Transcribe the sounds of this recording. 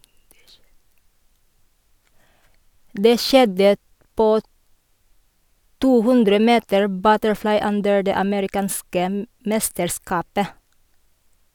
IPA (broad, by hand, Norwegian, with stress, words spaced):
ˈdeː ˈʃɛdə ˈpoː ˈtuː ˈhʉndɾə ˈmeːtəɹ ˈbœtəɹˌflɑɪ ˈʉndəɹ ˈdeː ɑməɾɪˈkɑːnskə m ˈmɛstəɾˌskɑːpə